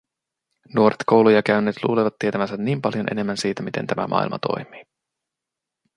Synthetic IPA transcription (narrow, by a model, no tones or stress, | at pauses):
nuo̞ɾet̪ko̞wlujɑkæynːeːt̪lṵːleʋɑt̪ːie̞t̪æʋænsænniːmpɑljonʔe̞ne̞mːænsiːt̪æmit̪ent̪æmæ̰mʔɑ̰ˑḭlmɑ̰t̪ʰo̞̰jmiː